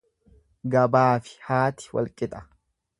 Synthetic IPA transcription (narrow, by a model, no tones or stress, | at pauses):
ɡɐbaːfɪ̥haːt̪ɪ̥wɐ̰lkʼɪt̪ʼɐ̥